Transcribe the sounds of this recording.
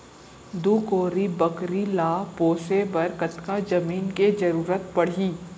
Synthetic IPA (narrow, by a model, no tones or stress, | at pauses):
d̪uːkoːɾibɐkɾilaːpoːsebɐɾkət̪kad͡ʒɐmiːnkezɐɾuːɾət̪̚pɐɽ̤iː